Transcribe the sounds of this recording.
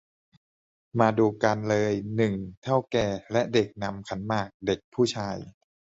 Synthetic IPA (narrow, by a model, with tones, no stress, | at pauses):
maː˧duː˧ka˧nlɤː˧jnɯ˨˩ŋt̪ʰa˥˩wkɛː˨˩lɛ˦˥ʔde˨˩k̚na˧mkʰa˩˦nmaː˥˩k̚de˨˩k̚pʰuː˥˩t͡ɕʰaː˧j